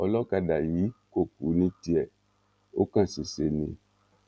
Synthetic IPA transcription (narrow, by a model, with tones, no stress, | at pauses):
ɔ˨lɔ˦ka˨ɖa˨ji˨˦ko˦˨ku˨˦nĩ˦ti˦ɛ˨ | wo˦kã˦si˨se˨nḭ̃˨